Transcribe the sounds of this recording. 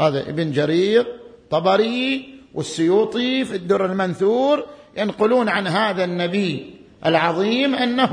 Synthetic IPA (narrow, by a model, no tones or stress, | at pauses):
haːða̰ʔɪ̰bɪnd͡ʒaɾiːɾt̪ˤːɑbɑɾiwʔɪsːʊjuːt̪ˤifid̪ːʊɾɪlmanθuːɾjanqʊluːnʕanɦaːðanːabi | ʔɪ̰lʕɑðˤiːmʔanːa